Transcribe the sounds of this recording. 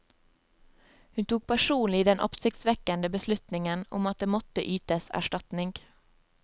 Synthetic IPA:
hʉnt̪ʰuːk̚pʰæʃuːnlɪd̪ɛnʔɔ̰psɪk̚t̪sʋɛkənd̪əbəslʉt̪nɪŋənʊ̰mɑt̪̚d̪eːmɔt̪ə̰ʔyːt̪əsæ̰ʃʈɑt̪nɪŋɡ

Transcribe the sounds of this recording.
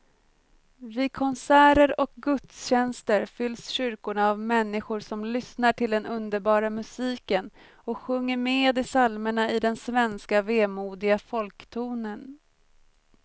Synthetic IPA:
vɪkʰɔnsæːɾəɾɔk̚ɡɵt̪sɕɛnst̪əɾfʏlːsɕʏɾkʊɳaːvmɛnːɪɧʊɾʂɔmlʏsnaʈʰɪld̪ɛnʔɵnd̪əɾbɑːɾamɵsiːkən | ɔkɧɵŋːəɾmeːd̪ɪsalməɳaɪd̪ɛnsvɛnskaveːmuːd̪ɪɡafɔlkt̪ʰuːnən

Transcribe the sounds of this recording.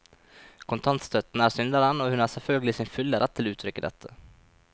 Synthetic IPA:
kʰʊnt̪ʰaɑnt̪st̪ʰœt̪ːnæɾsʏnd̪aɾənɔhɵnæːʂɛfœlɡlɪsɪnfʏlːəɾʔat̪ʰːɪlʉːt̪ʰɾʏkːəd̪ɛ̰t̪ʰːə

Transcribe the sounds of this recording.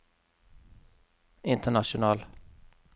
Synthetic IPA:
ɪnt̪ʰəɳaʂʊnɑːl

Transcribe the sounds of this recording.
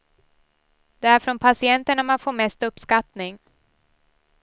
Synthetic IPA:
d̪ɛæɾfɾɔnpʰasɪɛnt̪əɳamanfoːɾmɛst̪ɵpːskat̪nɪŋ

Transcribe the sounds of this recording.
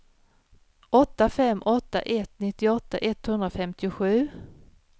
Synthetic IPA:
ɔt̪ːafɛmːʔɔt̪ːa̰ʔɛt̪nɪt̪ːɪɔt̪ːaʔɛt̪ːhɵnd̪ɾafɛmt̪ɪʊɧʉ̟ː

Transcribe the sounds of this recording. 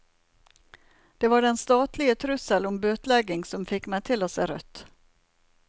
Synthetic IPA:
d̪̥ɛvaɖɛnst̪ɑːt̪ʰlɪɡət̪ʰɾɵsəlɔmbøːt̪lɛɡɪŋsɔmfɪkːmɛjt̪ʰɪlɔsɛɾœ̰t̪ː

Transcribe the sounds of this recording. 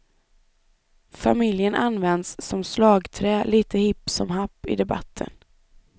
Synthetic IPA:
famɪljənʔanːvɛnd̪sːɔmslɑːɡt̪ʰɾɛːliːt̪əhɪpːsɔmɦapːɪ̰d̪ɛba̰t̪ʰːə̰n

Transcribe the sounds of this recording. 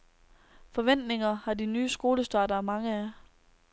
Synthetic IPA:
fɒ̽ʋen̰d̥ne̝ŋɐhɑ̈dinyːəsɡ̥o̝ːləsd̥ɑ̈ːdɐmɑ̈ŋəæ

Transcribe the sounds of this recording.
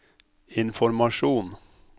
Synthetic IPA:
ɪnfɔɾmɑʃuːn

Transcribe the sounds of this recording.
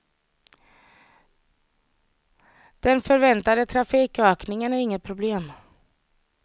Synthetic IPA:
d̪̥ɛnfœɾvɛnt̪ad̪ət̪ʰɾafiːkøːknɪŋənæɾɪŋːət̪̚pʰɾʊbleːm

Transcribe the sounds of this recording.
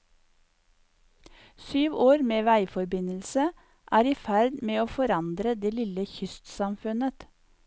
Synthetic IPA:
syːʋoːɾmeːʋæɪfɔɾbɪnəlsə | ʔæːɾiːfæɾd̪meːoːfɔɾɑnd̪ɾəd̪eːlɪləçʏst̪sɑmfʉnət̪

